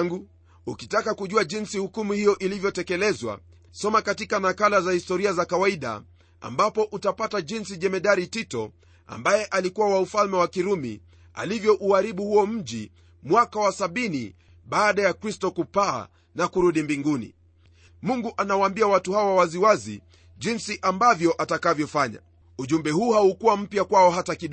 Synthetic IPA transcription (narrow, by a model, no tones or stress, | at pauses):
ŋɡu | ukitakakuʄuaʄinsihukumuhijɔʔilivjɔtɛkɛlɛzwa̰ | sɔmakatikanakalazahistɔɾiazakawaiɗa̰ | a̰mbapɔʔutapataʄinsiʄɛmɛɗaɾititɔ̰ | a̰mbajɛʔalikuwawaufalmɛwakiɾumḭ | a̰livjɔʔuaɾiɓuhuɔm̩ʄi | mwakawasaɓinḭ | ɓaːɗajakɾistɔkupa̰ː | nakuɾuɗimbiŋɡunḭ | muŋɡuʔanawambiawatuhawawaziwazḭ | ʄinsiʔambavjɔʔatakavjɔfaɲa̰ | uʄumbɛhuːhaukuwam̩pjakwaɔɦatakiɗ